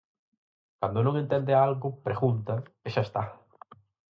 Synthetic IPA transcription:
kand̪ʊnõŋent̪ɛnd̪ealɣʊpɾeɣunt̪ɐeʃaest̪a

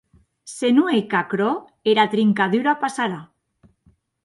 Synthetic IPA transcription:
senuejkakɾo | eɾat̪ɾiŋkaðuɾapasaɾa

